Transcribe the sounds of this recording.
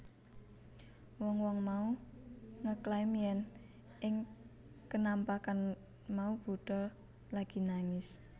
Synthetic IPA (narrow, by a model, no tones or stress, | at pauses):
wɔŋwɔŋmau | ŋəklaimiɛn | ʔɪŋ | kənampakan | maub̥ṳɖ̥ɔ̤ | laɡ̥i̤naŋɪs